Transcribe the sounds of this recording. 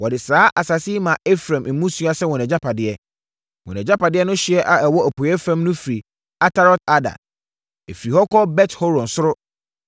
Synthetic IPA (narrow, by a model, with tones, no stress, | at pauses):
wɔ˨dɪ˨saː˨˦ʔa˨sa˨si˦mã˨e˦fɾã˨mm̩˨mũ˦su˦a˦sɛ˦wɔ̃˨nɛ̃˨d͡ʑa˦pʰa˨dɪ˦ɛ˦ | wɔ̰̃˨nɛ̃˨d͡ʑa˦pa˨dɪ˦ɛ˦nʊ̃˦ɕi˦ɛ˦ʔa˨ɛ˨wɔ˦æ˨pʰʊ˨˦ɛ˦fɾã˨mnʊ̃˦fi˨ɾi˨ | a˦tʰa˦ɾɔ˦ta˦dã̰˨n | ḛ˨fi˨ɾi˨hɔ˦kʰɔ˦bɛ˦tho˦ɾɔ̃˨nsʊ˦ɾʊ˦